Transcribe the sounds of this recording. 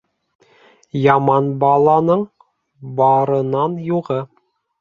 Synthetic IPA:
jɑmɑnbɑlˠɑnɤɴ | bɑɾɤ̆nɑnjuʁɤ

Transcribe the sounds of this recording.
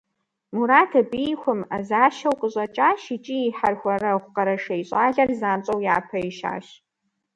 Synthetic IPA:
muɾaːtʰɐbijxʷʊmazaːʃɐwqʼəɕʼɐt͡ʃʼaːʃit͡ʃʼiiħarxʷɐɾɐχʷʊqɐɾɐʂɐjɕʼaːɮɐrzaːmt͡ʃʼɐwjaːpʰɐiʃa̰ːɕ

